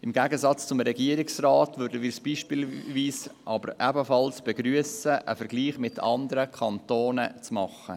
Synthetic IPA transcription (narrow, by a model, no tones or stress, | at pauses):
ɪmɡæɡəsɑt͡st͡sʊmɾɛɡiəɾɪksrɑːtʋʉɾdəvɪːɾsb̥iːʃpilʋiːsʔɑbəɾʔɛbəfɑlsb̥ɛɡɾyəsəʔə̰fəɾɡliːχmɪtɑnd̪əɾəkʰɑntoːnət͡smɑχːə̰